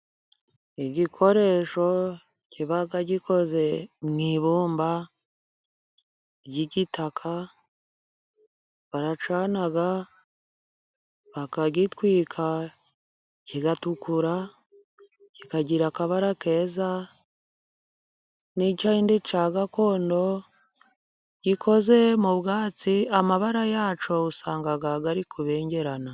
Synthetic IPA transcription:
iɟikʰo̞ɾe̞ʃo̞ | ciβaɡaɟikʰo̞ze̞mŋiβuːmba | ɟiɟitakʰa | βaɾat͡ʃaːnaɡa | βakaɟitwiːkʰa | ciɡatukuɾa | cikaɟiɾakaβaɾake̞ːza | nicaindit͡ʃaɡako̞ːndo̞ | ɟikʰo̞ze̞muβɡaːt͡siamaβaɾajaːt͡ʃo̞usaːŋɡaɡaɡaɾikʰuβe̞ːɲɟe̞ɾana

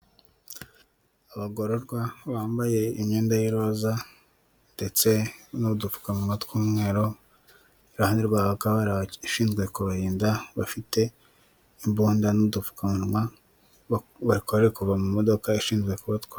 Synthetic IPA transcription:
aβaɡo̞ɾoɾɡwaβaːmbaje̞iɲɲeːndajiɾoza | nde̞t͡se̞noβudufu̥kamumatkuːmŋe̞ːɾo̞ | iɾahaniɾɡwaβakaβaɾaiʃiːnzɡwe̞kuβaɾiːndaβafite̞ | imbuːndanuβdufu̥kamua | βaɾikoɾeekuvamumo̞dokaiʃiːnzɡwe̞kuβatkwa

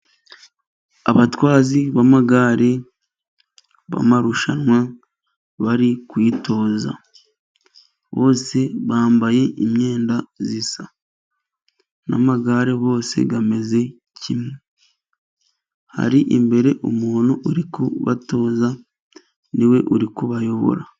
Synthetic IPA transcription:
a̰βatwaːziβamaɡaːɾe̞ | βa̰maɾuʃanŋwa | βaɾikwiːto̞ːza̰ | βo̞ːse̞βaːmbaje̞ʔimɲe̞ːndazisa | na̰maɡaːɾe̞βo̞ːse̞̰ɡame̞ze̞ | cʰime | ha̰ɾiʔimbe̞ɾe̞ʔumuːnuʔuɾikuβa̰to̞ːza | niwe̞ʔuɾikuβajo̞βo̞̰ɾa

